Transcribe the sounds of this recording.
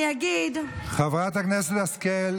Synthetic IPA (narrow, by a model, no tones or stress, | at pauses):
jaɡid̪χavʁat̪aknɛsɛt̪askɛl